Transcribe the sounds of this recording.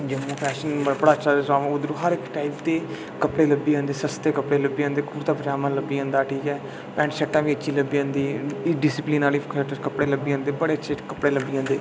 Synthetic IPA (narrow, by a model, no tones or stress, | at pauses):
d͡ʒəmːõːpʰɛːʃənəbəɽaːəʃʰaːsaːʋãːʊd̪ɾuːɦəɾɪkʈaːɪpt̪eː | kəpɽeːləbːiːə̃ːnd̪eːsəst̪eːkəpɽeːləbiːãːnd̪eːkuːɾt̪ãːpəd͡ʒaːmãːləbːiːɦə̃ːnd̪aːʈʰiːkɛː | pɛ̃ːɳʈsɛʈːãːʋiːətːʃʰiːləbːiːə̃ːnd̪iːɖɪsɪpliːnaːliːkːʈəkəpɽeːləbiːãːnd̪eːbəɽeːəʃʰeːkəpɽeːləbːiːɦãːnd̪eː